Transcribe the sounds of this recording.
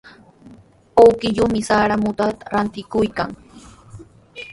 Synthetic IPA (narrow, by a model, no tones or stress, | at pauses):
owkɪʎʊmɪsaːɾamʊt̪at̪ḁɾant̪ɪkʊjkaŋ